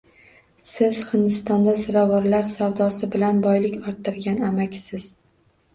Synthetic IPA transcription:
sɪz̥hɪnd̪ɪst̪ɒnd̪azɪɾavɒɾlaɾsawd̪ɒsɪbɪlanbɒjlɪkʲɒɾt̪ʰːɪɾɡʲanamakʲsɪz̥

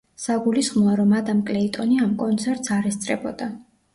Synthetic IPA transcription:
saɡulisχmɔaɾɔmad̪amkʼlɛit̪ʼɔniamkʼɔnt̪sʰɛɾt̪ʼsaɾɛst̪sʼɾɛbɔd̪a

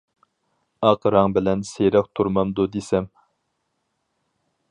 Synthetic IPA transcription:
ɑqɾɑŋbɪlɛnsejɾɛk̚t̪ʰuɾmɑmd̪ud̪esɛm

